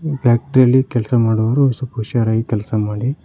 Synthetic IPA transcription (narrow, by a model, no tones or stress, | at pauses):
pjaːk̚ʈɾijɐlːikɛlsɐmaːɽuʋɐɾuɐsupuʃaɾaːjikɛlsɐmaːɽi